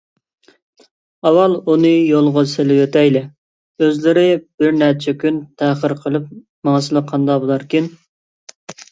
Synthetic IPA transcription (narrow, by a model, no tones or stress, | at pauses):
ɑwɑlˠunɨjolˠʁʊselɪwøt̪ɛjlɪ | øzlɪɾɪb̥ɪɾnæɾt͡ʃʰɛkʲynt̪ʰæχəɾqʰəlˠɨp̚ | mɑŋsɨlˠəqʰɑnd̪ɑbolˠɑɾkʲin